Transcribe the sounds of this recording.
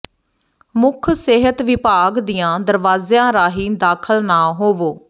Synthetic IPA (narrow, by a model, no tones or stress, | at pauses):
mʊkʰseɦət̪ʋɪpaːɡd̪iːãːd̪əɾʋaːzjãːɾaːɦiːd̪aːkʰəlnaːɦoːʋoː